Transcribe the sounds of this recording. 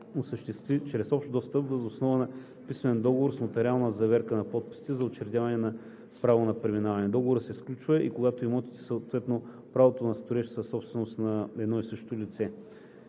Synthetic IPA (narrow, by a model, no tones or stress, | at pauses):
osəʃt̪ɛst̪vit͡ʃɾɛsɔpʃt̪d̪ɔst̪əbvəzosnɔvənɐ | pismɛnd̪ɔɡovoɾsnot̪ɛɾʲialˠnəzɐvɛɾkənɐpɔt̪̚pi̥st̪ɛzɐot͡ʃɛɾd̪ʲjavɐnɛnɐ | pɾavonɐpɾɛminavɐnɛd̪ɔɡovoɾəsɛisklʲut͡ʃvɐʔikoɡat̪oimɔt̪i̥t̪ɛ̥sət̪vɛt̪no | pɾavot̪onɐst̪ʊɾɛʃsəsːɔpst̪vɛnost̪nɐɛd̪nɔisɤʃt̪olʲit̪sɛ